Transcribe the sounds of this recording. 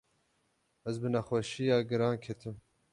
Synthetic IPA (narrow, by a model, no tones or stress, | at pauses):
ɛzbɨnaxʷɛʃijɑːɡɨɾɑːnkʲʰet̪ʰɨm